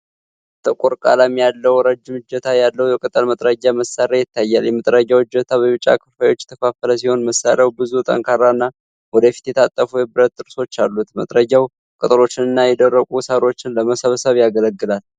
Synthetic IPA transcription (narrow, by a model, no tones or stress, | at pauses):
t̪ʰʼɨkʼuɾkʼa̰lamjalːəwɾəd͡ʒːɪmɨd͡ʒːət̪ʰajalːəwjɛkʼət̪ʼəlmət̪ʼɾəɡːaməsːaɾajɪt̪ʰːajːaljɛmət̪ʼɾəɟawɨd͡ʒːət̪ʰaβəβɨt͡ʃʼa̰kʰə̥fajo̞t͡ʃːɛ̥t̪ʰəkʰafələsiho̞nməsːaɾjawbɨzut̪ʼə̰ŋkʰʼaɾanːa | wɔd̪əfi̥t̪jɛt̪ʰat̪ʼːəfujɛbɨɾət̪ːɨɾso̞t͡ʃːalːut̪mə̰t̪ʼɾəɡaw | kʼɨt̪ʼɨlo̞t͡ʃːɪnɨnːajɛd̪ərːəkʼusaɾo̞t͡ʃːɪnləməsəβəsəβjaɡələɡːɨlal